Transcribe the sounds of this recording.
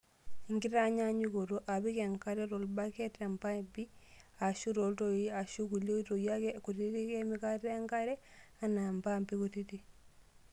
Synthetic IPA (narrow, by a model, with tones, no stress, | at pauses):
i˨ŋɡi˦ta˦ɲa˦ɲu˦ko˨to˨ʔa˨bi˦ke˨ŋka˦ɾɛ˦ɾo˨lba˦ke˦te˨mba˦i˨mbi˦ | a˨ʃu˦ɾo˨lto˨i˦a˨ʃu˦ku˨lo˦to˨ja˦ke˦ku˨ti˦ti˦ke˦mi˦ka˦te˦ŋka˦ɾɛ˦ | a˨na˨mba˦˨mbi˦ku˨ti˦ti˦